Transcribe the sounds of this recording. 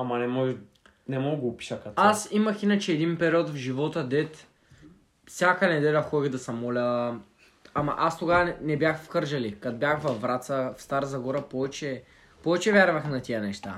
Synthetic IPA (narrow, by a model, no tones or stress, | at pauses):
ɐmɐnɛmɔʒ | nɛmɔɡɡoːpi̥ʃəkat̪asimɐxinət͡ʃɛːd̪inpɛɾiɔt̪vʒivɔt̪əd̪ɛt̪ | fsʲjakənɛd̪ɛlʲɐxɔd̪iɣd̪ɐsɐmɔlʲə | amɐ̰ʔast̪oɡavɐɛnɛbʲjaxfxɤɾʒɐlikat̪bjaxvɐvːɾat̪səfst̪aɾzɐɡɔɾəpɔvɛt͡ʃɛ | pɔvɛt͡ʃɛvʲjaɾvɐxnɐt̪iənɛʃt̪a̰